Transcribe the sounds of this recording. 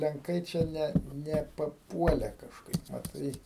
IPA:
lʲɛŋˈkɐɪ t͡ʃʲɛ ˈnʲɛ nʲɛ pɐˈpuɔlʲɛ kɐʃˈkɐɪp mɐˈtɐɪ

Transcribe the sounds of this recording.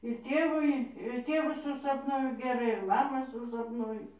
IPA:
ɪr ˈtʲeːʋʊɪ ɪr ˈtʲeːʋʊ sʊsɐpˈnuɔjʊ ɡʲɛˈrɐɪ ɪr mɐˈmɑː sʊsɐpˈnuɔjʊ

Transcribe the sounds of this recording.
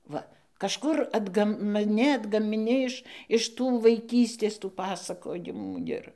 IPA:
ˈʋɐ kɐʃˈkʊr ɐdˈɡɐm ˈnʲɛ ɐdɡɐmʲɪˈnʲɪ ɪʃ ɪʃ ˈtuː ʋɐɪˈkʲiːsʲtʲeːs tuː ˈpɑːsɐkoːjɪmuː ˈɪr

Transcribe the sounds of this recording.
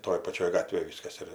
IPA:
ˈtoːj pɐˈt͡ʃʲoːj ˈɡɑːtʲʋʲeːj ˈʋʲiːskɐs ɪr

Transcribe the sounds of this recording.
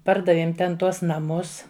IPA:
ˈpɐrdɐʋʲeːm ˈtʲɛn ˈtuɔs nɐˈmʊs

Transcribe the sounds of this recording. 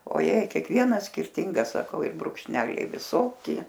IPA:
oːˈjɛɪ kʲiɛkˈʋʲiɛnɐs sʲkʲɪrʲˈtʲɪŋɡɐs sɐˈkɐʊ ɪ brʊkʃʲˈnʲæːlʲɛɪ ʋʲɪˈsoːkʲɪ

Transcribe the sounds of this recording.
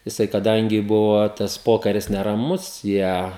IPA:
jɪˈsɐɪ kɐˈdɐŋʲɡʲɪ ˈbʊʋoː tɐs ˈpoːkɐrʲɪs nʲɛrɐˈmʊs ˈjiɛ

